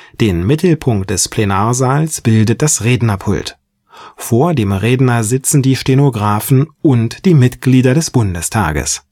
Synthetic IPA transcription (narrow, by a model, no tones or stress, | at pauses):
d̥eːnmɪtl̩pʰʊŋk̚t̚d̥ɛspʰl̥enaːɐzaːlsb̥ɪldət̚d̥asʁeːdnɐpʰʊ̰lt | foːɐdeːmʁeːdnɐzɪt͡sn̩diːʃtenoɡʁaːfn̩ʔʊntd̥iːmɪtɡ̥liːdɐɾɛsb̥ʊndəstʰa̰ːɡə̰s